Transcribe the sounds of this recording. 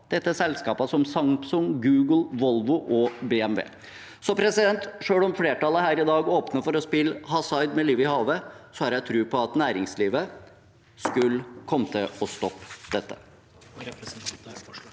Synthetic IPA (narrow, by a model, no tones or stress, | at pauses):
d̪̥ɛt̪ːəsɛlskɑːpəsɔmsɑŋt̪sʊŋɡʉːɡəl̩ʋɔlʋʊʔɔbɛɛmʋḛː | sɔpʰɾɛsɪd̪ɛnt̪ʂøːɽɔmfleːʈʰɑləhæːɾɪd̪ɑːɡoːpnəfɔɾɔspɪlhɑsɑɪd̪mɛliːʋɪhɑːʋəsɔhɑɾjæɪt̪ʰɾʉːpʰɔɑt̪næːɾɪŋsliːʋə | skʉlkʰɔmːət̪ʰɪlɔst̪ɔpːd̪̥ɛt̪ːə̥